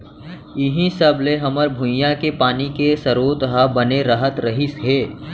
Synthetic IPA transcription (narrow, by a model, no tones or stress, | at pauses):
ɪɦĩsɐbleɦɐməɾbʱʊ̃jãkepaːnikesɐɾoːt̪ɦabɐneɾɐɦət̪ɾɐɦisɦeː